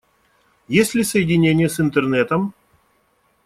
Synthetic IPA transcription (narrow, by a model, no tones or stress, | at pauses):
jesʲlʲɪsəjɪdʲɪnʲenʲɪjəsɪnt̪ərnɛt̪əm